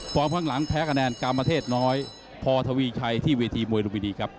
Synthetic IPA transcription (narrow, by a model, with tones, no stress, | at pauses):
pʰɔː˧mkʰaː˦˥˩ŋla˩˦ŋp̪ʰɛː˦˥kʰa˧nɛː˧nkaː˧mpɾa˧t̪ʰeː˥˩t̪̚nɔː˦˥j | pʰɔː˧t̪ʰaː˧wiː˧t͡ɕʰa˧jt̪ʰiː˥˩weː˧t̪ʰiː˧mu˧əjɾo˧miː˧niː˧˩kʰɾa˦˥p̚